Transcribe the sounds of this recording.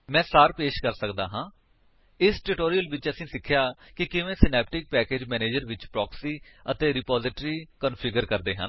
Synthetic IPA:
mɛ̃ːsaːɾpeːʃkəɾsəkd̪a̰ːɦãː | ɪsʈɪʈoːɾijəlʋɪt͡ʃəsĩːsɪkʰːjaːkɪkɪʋẽːsɪnɛːp̚ʈɪk̚pɛːkeːd͡ʒmɛːneːd͡ʒəɾʋɪt͡ʃpɾɔːksiːət̪eːɾɪpaːzɪʈɾiːkənpʰɪɡəɾkəɾd̪eːɦə̰n

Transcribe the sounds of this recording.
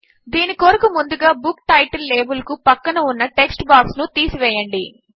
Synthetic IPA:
d̪iːnikoːɾɐkumund̪uɡaːbukʈɐjʈɐlːeːbulɐkupɐkːɐnɐunːɐʈe̞ksʈbaːksnut̪iːsiʋɛːjɐɳɖi

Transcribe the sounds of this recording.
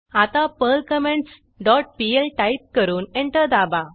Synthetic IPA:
at̪apəlkəmẽɳʈs | ɖɔʈ̚pielʈaip̚kəɾuːneɳʈəd̪aba

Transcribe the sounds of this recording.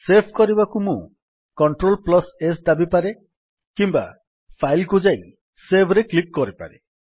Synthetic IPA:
sepʰkɔɾibakumũ | kɔɳʈɾolplɔsesd̪abipaɾe | kimba̰ | pʰajlkud͡ʒaj | sebʱɾeklikːɔɾipa̰ɾe

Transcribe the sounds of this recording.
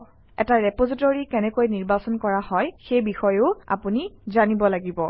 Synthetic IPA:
ɛ̰taɹɛpozitoɹikɛnɛkojniɹbasɔnkɔɹahɔjxejbixɔjʊa̰punizanibɔlaɡibɔ

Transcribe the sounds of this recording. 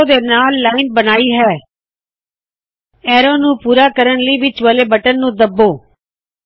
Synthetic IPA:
d̪eːnaːlːaːinbənaːiːɦɛː | ɛːɾoːnũːpuːɾaːkəɾənləiːʋɪt͡ʃʋəleːbəʈənːũːd̪əbːoː

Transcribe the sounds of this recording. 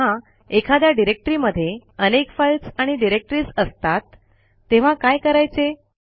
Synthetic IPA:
ã | ekʰad̪jaɖiɾek̚ʈɾiməd̪ʱːjeənekfajlsaɽ̃iɖiɾek̚ʈɾiːsəst̪at̪ː | eʋ̤akajkəɾajt͡se

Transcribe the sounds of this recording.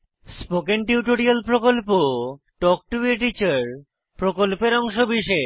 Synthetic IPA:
spokenʈiuʈoɾialpɾokolpo | ʈɔk̚ʈueʈit͡ɕaɾ | pɾokolpeɾɔŋʃobiʃe

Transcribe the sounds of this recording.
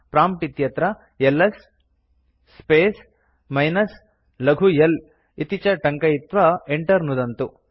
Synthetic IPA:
pɾaːmpʈit̪jɐt̪ɾɐ | elːɐs | peːs | mɐjnɐs | lɐɡʱujɐl | it̪it͡ʃɐʈɐŋkɐjit̪ʋɐeɳʈɐɾnud̪ɐnt̪u

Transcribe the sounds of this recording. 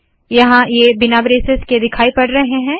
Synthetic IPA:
jɐɦãjeːbɪnabɾeːsesked̪ɪkʰaːipɐɽɾɐɦeɦɛ̃ː

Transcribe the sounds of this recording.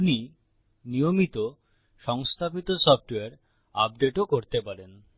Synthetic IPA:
uni | nijomit̪o | ʃɔŋst̪ʰapit̪osɔfʈeaɾ | a̰pɖeʈokoɾt̪epaɾen

